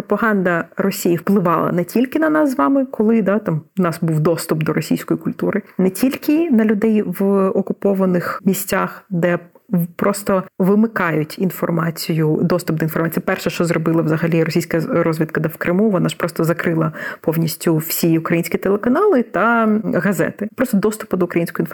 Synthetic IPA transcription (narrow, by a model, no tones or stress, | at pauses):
pɾɔpɐɦɑnd̪ɐrɔsʲijiwplˠɪʋɑlˠɐ̰nɛtʲilʲkɪnɐnɑszʋɑmɪkɔlˠɪd̪ɑt̪ɑmnɑsbuwd̪ɔst̪ʊpd̪ɔɾɔsʲḭjsʲkɔjikʊlʲt̪uɾɪnɛtʲilʲkʲɪnɐlʲʊd̪ɛjʋɔkʊpɔʋɐnɪxmʲisʲt͡sʲaxd̪ɛpɾɔst̪ɔʋɪmɪkɑjʊtʲinfɔrmɑt͡sʲijʊd̪ɔst̪ʊp̚d̪ɔinfɔrmɑt͡sʲijɐpɛrʃɛʃt͡ʃɔzɾɔbɪlˠɐʋzɐɦɐlʲiɾɔsʲijsʲkɐɾɔzʲʋʲid̪kɐd̪ɐwkɾʔɪmuʋɔnɑʒ̥pɾɔst̪ɔzɐkɾɪlˠɐpɔwnʲisʲtʲʊwsʲiʊkɾɐjinʲsʲkʲit̪elˠekɐnɑlˠɪt̪ɐɣɐzɛ̰t̪ɪpɾɔst̪ɔd̪ɔst̪ʊ̥pʊd̪ɔʊkɾɐjinʲsʲkɔʊjinf